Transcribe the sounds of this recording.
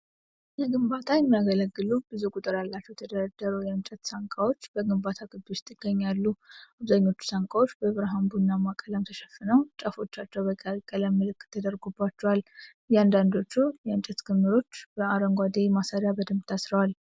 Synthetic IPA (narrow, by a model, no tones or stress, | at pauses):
jɛɡɨmbat̪ʰajɛmːaɡələɡːɨlub̥ɨzukʼut̪ʼɨɾjalːat͡ʃːɛwt̪ʰəd̪əɾad̪ːəɾəwjɛɨnt͡ʃʼɛt̪saŋkʼawo̞t͡ʃːb̥əɡɨmbat̪ʰaɡɨb̪ost̪ʰɪɡ̥ːəɲːalːuaβzaɲːo̞t͡ʃːu̥saŋkʼawo̞t͡ʃːbəβɾəɦambunːamakʼələmt̪ʰəʃɛfːɨnəwt͡ʃʼəfo̞t͡ʃːat͡ʃːɛwbəkʼəkʼːələmːɨlɨkʼːt̪ʰːəd̪əɾɡubːat͡ʃːɛwal | jɛand̪and̪o̞t͡ʃːujɛɨnt͡ʃʼɛt̪ɡɨmːɨɾo̞t͡ʃːb̥əaɾəŋɡʷad̪emasaɾjabəd̪əmt̪ʰasɾəwal